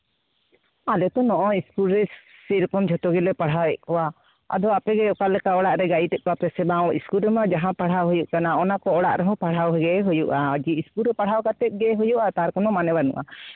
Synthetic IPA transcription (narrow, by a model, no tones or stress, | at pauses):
alɛt̪ɔnɔʔɔiskulɾɛsiɾɔkɔmd͡ʒʱɔt̪ɔɡilɛpaɽ̤awɛʔ̚kɔwa | a̰d̪ɔapɛɡɛɔkalɛkaɔɽaʔɾɛɡaiʈɛʔ̚kɔapɛsɛbaɔiskulɾɛmad͡ʒaɦãpaɽ̤awɦujuʔkanaɔnakɔɔɽaʔɾɛɦɔ̃paɽ̤awɦɛɡɛɦujuʔad͡ʒiiskulɾɛpaɽ̤awkat̪ɛt̪̚ˀɡɛɦujuʔat̪aɾkɔnɔmanɛbanṵʔa̰